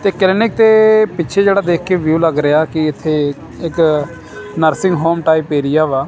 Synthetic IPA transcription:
t̪eːklɪnɪk̚t̪eːpɪːt͡ʃʰeːd͡ʒeːɽaːd̪eːkʰkeːʋjuːləɡɾəjaːkɪɪt̪ʰːeː | ɪk | nəɾsɪ̃ŋɡɦoːmʈaːiːpeːɾɪjaːʋaː

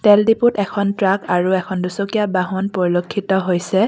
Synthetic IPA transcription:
tɛldiputɛkʰɔntɹakaɹuɛkʰɔndusokijabaɦɔnpɔɹilokʰːitɔɦojsɛ

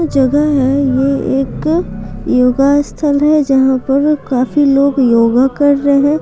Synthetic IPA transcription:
d͡ʒɐɡəɦɛjeeːk | joːɡast̪ʰəlɦɛd͡ʒɐɦãpɐɾkaːfiloːɡjoːɡakɐɾːɦɛ̃ː

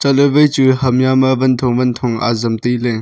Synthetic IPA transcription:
t͡ʃaləvəjt͡suhɐmjamɐvɐnt̪ʰɔŋvɐnt̪ʰɔŋʔa̰zɐmt̪ile

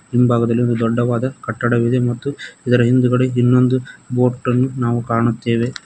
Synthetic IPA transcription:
imbʱaːɡɐd̪ɐlːiond̪ud̪ɔɖːɐʋaːd̪ɐkɐʈːɐɽɐʋid̪emɐt̪ːuid̪ɐɾɐɦind̪uɡɐɽeinːo̞nd̪ubo̞ːʈːɐnːunaːʋukaːɳut̪ːe̞ːʋe̞

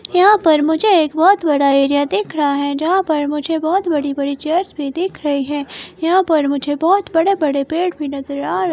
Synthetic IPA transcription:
jɐɦãpɐɾmʊd͡ʒʱeeːkbɔːt̪bɐɽaeːɾijad̪ɪkʰɾɐɦaɦɛd͡ʒɐɦãpɐɾmʊd͡ʒʱebɔːt̪bɐɽibɐɽit͡ʃɐɾsbʱid̪ɪkʰɾɐɦiɦɛ̃ːjɐɦãpɐɾmʊd͡ʒʱebɔːt̪bɐɽebɐɽepeːʈbʱinɐzəɾaːɾ

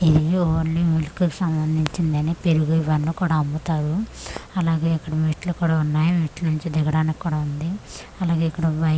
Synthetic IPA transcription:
id̪ioːlimilukukisɐmbɐnd̪ʱiɲt͡ʃind̪ɐniːpeɾuɡuiʋɐnukuːɽaːɐmbut̪aːɾuɐlaːɡeːikːɐɽɐmiːʈlukuːɽaːunːaːjimiːʈlunuɲt͡ʃid̪ɛɡɐɽaːnikikːuːɽaːund̪i | ɐlaːɡeikːɐɽɐʋɐ

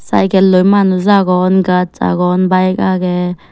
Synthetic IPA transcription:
sa̰jkɛlojmanuzaɡɔnkat͡sa̰ɡɔːnbajɛk̚aːkɛ

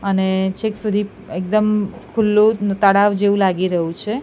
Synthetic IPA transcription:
ənet͡ʃʰeksud̪ʱi | ek̚d̪əmkʰulːot̪əɽaʋd͡ʒeʋũlaɡiɾəɦjũt͡ʃʰe

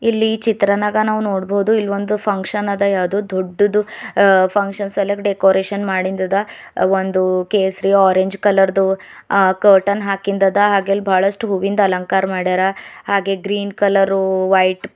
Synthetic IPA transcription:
ilːit͡ʃit̪ɾɐnaɡɐnaːʋunoːɽboːud̪uilːʋond̪upʰɐŋkʂɐnɐd̪ɐjaːʋd̪oːd̪oɖːud̪upʰɐŋkʂɐnsɐlekʈɖekoːɾeːʃɐnmaːɽind̪ɐd̪ɐ | ond̪ukeːsɾiaːɾeɲd͡ʒkɐlɐɾd̪u | kəːʈɐnɦaːkind̪ɐd̪ɐɦaːɡeːlːibʱaːɭɐʂʈuɦuʋind̪ɐlɐŋkaːɾmaːɽeɾɐhaːɡe̞ɡɾiːnkɐlɐɾuʋɐjʈ

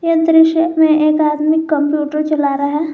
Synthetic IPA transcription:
jə̃nt̪ɾɪʃəmẽʔeːkaːd̪mɪkːə̃mpjuːʈəɾt͡ʃɐlaːɾaɦɛː

